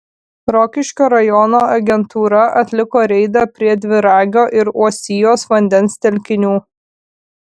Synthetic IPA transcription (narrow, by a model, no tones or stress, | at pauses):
ɾɔkʲɪʃʲkʲoːɾɐjɔnoːɐɡʲɛnt̪uːɾɐʔɐt̪ʲlʲɪkoːɾʲɛɪd̪ɑpʲɾʲiɛd̪ʲʋʲɪɾɑːɡʲoːʔɪɾuɔsʲɪjoːsʋɐnʲd̪ʲɛnst̪ʲɛlʲkʲɪnʲuː